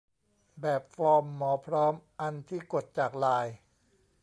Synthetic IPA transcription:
bɛː˨˩p̚fɔː˧mːɔː˩˦pʰɾɔː˦˥mʔa˧nt̪ʰiː˥˩ko˨˩t̪̚t͡ɕaː˨˩k̚laː˧j

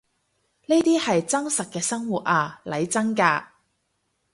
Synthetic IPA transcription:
ne˥t̪iː˥hɐ˨jt͡sɐ˥ŋsɐ˨t̚kɛː˧sɐ˥ŋwuː˨t̚ʔaː˧lɐ˨˧jt͡sɐ˥ŋkaː˧

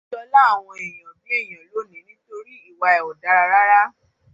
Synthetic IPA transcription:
dɔ˧la˦a˨w̃ɔ̃˧e˨j̃ã˨bĩ˨˦e˦˨j̃ã˨lo˨˦nĩ˨˦nĩ˦to˧ɾi˦i˦˨wa˧ɛ˨wɔ˨da˧ɾa˧ɾa˦ɾa˦

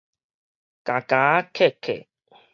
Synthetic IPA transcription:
kã˨ka˨˦kʰɛ˦˨kʰɛ̰˨

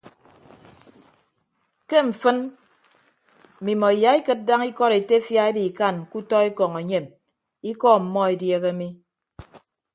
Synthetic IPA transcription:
ke˦ɱ̩˨fɨ˦n˨ | mi˨mɔ˨i˨ja˨˦i˦kɨ˦t̚da˦ŋi˦kɔ˦ɾe˨te˦fja˦e˦bi˨ka˦˨nku˦tɔ˦e˦kɔ˨ŋe˨ɲe˨m | i˦kɔ˦m̩˨mɔ˦e˨dje˦ɣe˦mi˦

